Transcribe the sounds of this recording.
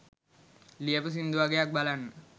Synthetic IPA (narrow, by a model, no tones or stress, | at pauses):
lijəpəs̬ind̪uaɡejak̚balanː